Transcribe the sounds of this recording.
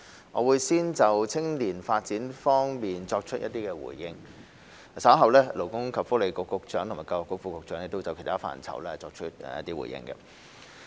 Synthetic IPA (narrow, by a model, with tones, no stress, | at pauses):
ŋɔ̰ː˨˧wuː˨˧jsiː˥nt͡sɐ˨wt͡sʰɪ˥ŋliː˨˩nfaː˧t̚t͡siː˨˥nfɔː˥ŋmiː˨nt͡sɔː˧k̚t͡ʃʰɵ˥jɐ˥t̚t̪iː˥kɛː˧wṵː˨˩jːɪ˧ŋ˨ | sɐ˨˥ɦɐ˨wlɛː˥lo˨˩wkʊ˥ŋkʰɐ˨pfʊ˥le˨˧jkʊ˧kːʊ˨˧k̚t͡ʃœː˨˥ŋt̪ʰʊ˨˩maː˨˩ka˧wɔ˨kːʊ˥k̚fuː˧kʊ˨˧k̚t͡ʃœː˨˥ŋjɛ˧k̚t̪wt͡sɐ˨˧wkʰe˨˩t̪ʰaː˥fa̰ː˧˩nt͡sʰɐ̰˨˩wlɛː˥ɐ˨˩t͡sɔː˧k̚t͡ʃʰɵ˥t̚ːjɐ̰˥t̪iː˥wṵ˨˩jɪ̰˧˥ŋɡɐ̰˧